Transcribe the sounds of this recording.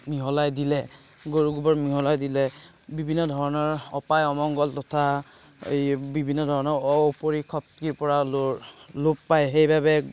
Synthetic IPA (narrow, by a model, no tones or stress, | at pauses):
miɦɔlajdilɛ | ɡoɹuɡubɔɹmiɦɔlajdilɛ | bibʱinːɔdʱɔɹɔnɔɹɔpajɔmɔŋɡɔltɔtʰa | ḛjbibʱinːɔdʱɔɹɔnɔɹɔupoɹikʰɔp̚kipɔɹa | lʊpːajxejbabɛ